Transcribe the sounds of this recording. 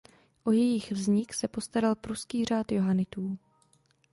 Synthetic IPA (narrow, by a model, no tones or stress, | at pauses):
ʔojɛjɪxvzɲɪksɛpo̞st̪aɾalpɾuskiːr̝aːt̪jo̞ɦanɪt̪uː